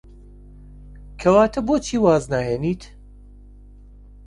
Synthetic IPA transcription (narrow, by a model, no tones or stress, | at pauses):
kʰɐwaːt̪ʰɐboːt͡ʃʰiːwaːznaːheːniːt̪